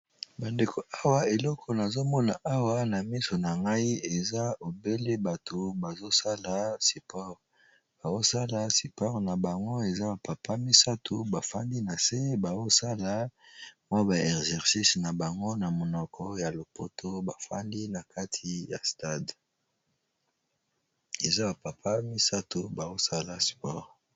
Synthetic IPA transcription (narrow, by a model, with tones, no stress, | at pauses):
ba˨nde˨kʰo˨a˦wa˦e˨lɔ˦kʰɔ˨na˨zo˦mɔ˦na˨ʔa˦wa˦na˨mi˦so˨na˨ŋɡa˦i˦e˨za˦o˨be˦le˦ba˨tʰo˨ba˨zo˦sa˦la˨si˨pʰɔ˦ʁ | b̥a˨zo˦sa˦la˨si˨pɔ˦ʁna˨ba˨ŋɡo˦e˨za˦ba˨pa˨pʰa˦mi˦sa˦tʰo˨ba˨fa˦ndi˦na˨se˦ba˨zo˦sa˦la˦mwa˦ba˨ɛ˨kzɛ˨ʁsi˦sna˨ba˨ŋɡo˦na˨mo˨nɔ˨kʰɔ˦ja˨lo˨pʰo˨tʰo˦ba˨fa̰˦ndi˦na˨kʰa˦tʰi˨ja̰˨sta˦d | e˨za˦ba˨pa˨pʰa˦mi˦sa˦to˨ba˨o˦sa˦la˨si̥˨pɔ˦˨ʁ